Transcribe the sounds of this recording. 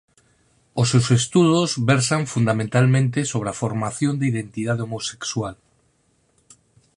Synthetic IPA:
osewsest̪uðozβɛɾsaɱfund̪amẽnt̪almẽnt̪ɪsoβɾeafoɾmaθjõnd̪eiðent̪iðaðeomose̥kswal

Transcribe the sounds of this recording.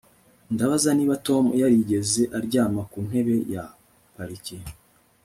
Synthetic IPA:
ndaβazaniːβato̞mujaɾiɟe̞ze̞ʔaɾɟaːmakuːn̥he̞βe̞ja | paɾici

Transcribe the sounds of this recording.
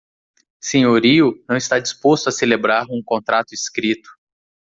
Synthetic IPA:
sẽɲoɾiʊnɐ̃w̃ist̪ad͡ʒispost̪ʊaselebɾaɾũkõnt̪ɾat̪ʊiskɾit̪ʊ̥

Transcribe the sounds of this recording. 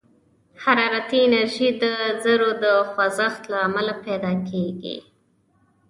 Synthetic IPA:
haɾɑɾat̪iɪnaɾʒid̪əzəɾod̪əxwazaxt̪laːmalaped̪ɑkʰeɡḭ

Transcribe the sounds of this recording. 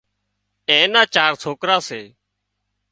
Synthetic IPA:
ẽːnãːt͡ʃaːɾsʰoːkɾaːseː

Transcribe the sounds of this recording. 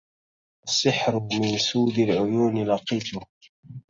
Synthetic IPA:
ʔasːɪħɾʊmɪnsuːd̪alʕʊjuːnɪlɑqiːt̪ʊ

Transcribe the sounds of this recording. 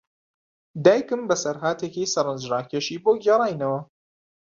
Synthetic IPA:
d̪aːjkɨmbɐsɐɾɦaːt̪ʰekisɐɾɨnzɾaːkʰeʃiːboːɡɛɾˤɑːjnɐwɐ

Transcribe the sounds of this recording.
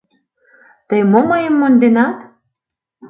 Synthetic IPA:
t̪əjmoməjəmːond̪enɑt̪

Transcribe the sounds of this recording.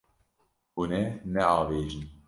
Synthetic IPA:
unɛnɛɑːveːʒɨn

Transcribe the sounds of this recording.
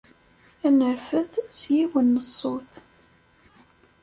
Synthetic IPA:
ænəɾfəθsjiwənːəsˤːoθ

